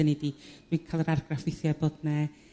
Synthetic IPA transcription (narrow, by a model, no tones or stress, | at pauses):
ənidid̥winkʰaːlˠəɾarɡrafɪθjaboːdnɛ